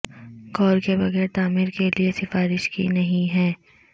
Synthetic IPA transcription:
kɔːɾkebɐɣɛːɾt̪aːmɪɾkeliesɪfaːɾɪʃkḭnɐɦĩɦɛː

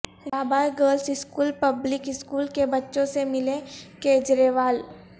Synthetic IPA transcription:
ɾaːbaːjɡəːɾlsɪskuːlpɐblɪkɪskuːlkebɐtːʃõsemɪlẽkeːd͡ʒɾeːʋaːl

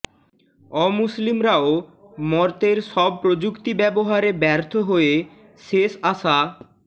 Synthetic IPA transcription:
ɔmuslimɾao | mɔɾt̪eɾʃɔb̚pɾod͡ʑukt̪ibɛboɦaɾebɛɾt̪ʰoɦoe | ʃeʃaʃa

